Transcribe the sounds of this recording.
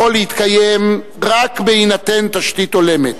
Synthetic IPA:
olehit̪kajem | ʁakbeinat̪ent̪aʃt̪it̪o̞le̞met̪

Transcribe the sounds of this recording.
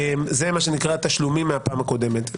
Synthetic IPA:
mzemaʃe̞nikʁat̪aʃlumimːeapaːmako̞d̪e̞met̪

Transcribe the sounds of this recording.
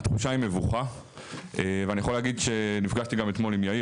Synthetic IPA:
t̪χuʃaime̞vuχa | eveanijaχo̞leaːɡid̪ʃe̞nifɡaʃt̪iɡamet̪mo̞limjai

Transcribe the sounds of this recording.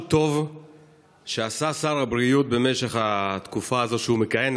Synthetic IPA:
t̪o̞v | ʃeasasaʁabʁiut̪̚be̞me̞ʃe̞χat̪kufaːzo̞tʃeume̞kajen

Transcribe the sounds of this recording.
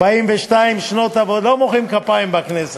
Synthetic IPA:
baimveʃtaimʃno̞t̪avallomoχimkapaimbaknese

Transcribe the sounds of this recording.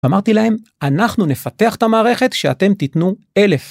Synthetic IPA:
amaʁt̪ilahe̞manaχnune̞fat̪e̞aχet̪amaːʁe̞χe̞t̪ʃeat̪e̞mt̪it̪nu | e̞le̞f

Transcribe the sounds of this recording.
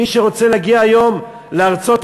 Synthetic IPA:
iʃeʁo̞t͡seleaɡiaːjo̞m | leaʁt͡so̞t̪

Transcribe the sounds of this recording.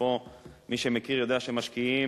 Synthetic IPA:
omiʃemekiʁjo̞d̪eaʃeemaʃkii

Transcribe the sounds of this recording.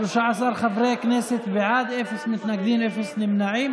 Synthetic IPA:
ʃaʕsɑɾˤxafɾekneːsɪt̪bɪʕaːd̪ʔefɪsmɪt̪naɡd̪iːnʔefɪsnɪmnaʕiːm

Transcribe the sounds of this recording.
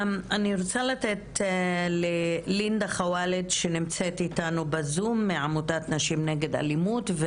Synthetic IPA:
aniɾot͡salatetlelindaχawaledʃenimt͡set̪itanubezumːeʕamutat̪naʃimneɡe̞da̰limutve

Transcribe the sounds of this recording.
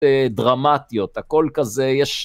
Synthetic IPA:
edʁamat̪ijo̞tako̞lkazejeʃ

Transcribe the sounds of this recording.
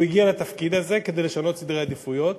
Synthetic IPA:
iɡialat̪afkid̪aze̞ked̪ejleʃano̞t̪sid̪ʁead̪ifujot̪

